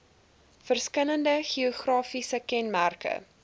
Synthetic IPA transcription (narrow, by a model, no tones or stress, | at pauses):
fərskələndəχioχrɑːfisəkɛnmærkə̰